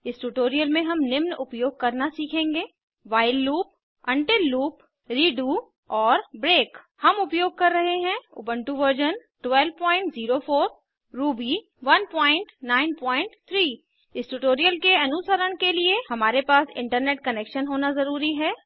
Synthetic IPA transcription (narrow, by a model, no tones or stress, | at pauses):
ɪsʈuʈoːɾijəlmẽɦɐmnɪmnʊpjoːɡ̚kɐɾnasiːkʰẽːŋɡeː | ʋaːɪlːuːp̚ | ɐ̃ɳʈeluːp | ɾiːɖuː | ɔːɾbɾeːk | hɐmʊpjoːɡ̚kɐɾːɐɦeɦɛ̃ʊ̰bə̃ɳʈuʋəɾd͡ʒənʈwɛːlʋpɔ̃ːɪ̃ɳʈziːɾofʰoːɾ | ɾuːbi | ʋɐnpɔ̃ːɪ̃ɳʈnaːɪnpɔ̃ːɪ̃ɳʈt̪ʰɾiː | ɪsʈuʈoːɾijəlkeɐnʊsəɾəɳkeliehɐmaːɾepaːsɪ̰̃ɳʈəɾneːʈ̚kɐneːkʃənɦoːnazɐɾuːɾiɦɛː